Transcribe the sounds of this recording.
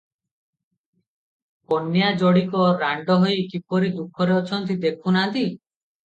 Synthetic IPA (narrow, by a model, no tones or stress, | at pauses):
ponjad͡ʒɔɽikɔɾaɳɖɔɦojkipɔɾid̪ukʰːɔɾeɔt͡ʃʰɔnt̪id̪ekʰunaɦnt̪i